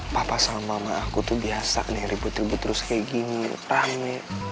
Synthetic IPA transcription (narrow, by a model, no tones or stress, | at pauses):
papasamamaːkut̪ubiasa̰nihɾibut̪ɾibut̪ɾʊskajɡinirahmɛ